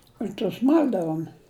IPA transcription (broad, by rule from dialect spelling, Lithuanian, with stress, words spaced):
ɪr tʊs ˈmɐlʲdɐʋʊm